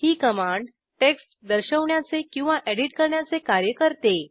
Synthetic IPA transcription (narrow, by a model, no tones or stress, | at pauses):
hiːkəmaɳɖ | ʈeksʈd̪əɾɕəʋɳjat͡sekĩw̃ʋaʔeɽiʈkəɾɳjat͡sekaɾjəkəɾt̪e